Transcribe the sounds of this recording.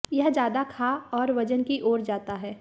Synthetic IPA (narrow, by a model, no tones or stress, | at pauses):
jɐɦd͡ʒjaːd̪akʰaɔːɾʋɐd͡ʒənkiʔoːɾd͡ʒaːt̪aɦɛː